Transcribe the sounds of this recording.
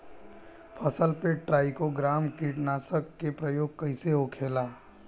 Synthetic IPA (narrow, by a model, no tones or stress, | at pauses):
pʰəsəlpeʈʈɾaːikoɡɾaːmkiʈnaːsəkːepɾəjoːɡ̚kəɪseɦokʰeːlaː